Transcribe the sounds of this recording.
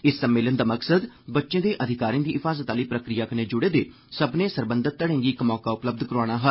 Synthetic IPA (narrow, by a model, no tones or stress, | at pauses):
ɪsːəmːeːlənd̪aːməksəd̪bətːʃẽːd̪eːʔəd̪ʱɪkaːɾĩːd̪iːʔɪfʰaːzət̪aːləiːpɾəkɾijaːkəneːd͡ʒʊɽeːd̪eː | səbnẽːsəɾbə̃nd̪ət̪ːəɽẽːŋɡiɪkmɔːkaːʊpləb̚d̪kəɾaːɽaːɦəl